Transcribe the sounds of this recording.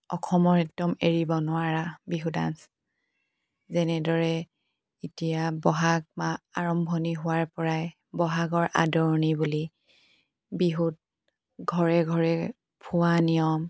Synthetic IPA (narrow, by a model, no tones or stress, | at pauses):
ɔkʰɔmɔɹɛk̚dɔmeɹibɔnʊwaɹabiɦuda̰ns | zɛnɛdɔɹɛ | itijabɔɦaɡ̚maaɹɔmbʱɔniɦʊwaɹpɔɹaj | bɔɦaɡɔɹʔa̰dɔɹnibuli | biɦud̚ | ɡʱɔɹɛɡʱɔɹɛ | pʰʊwanijɔm